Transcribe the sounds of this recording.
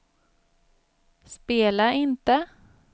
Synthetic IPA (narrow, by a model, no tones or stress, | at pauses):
speːlaʔɪnt̪ə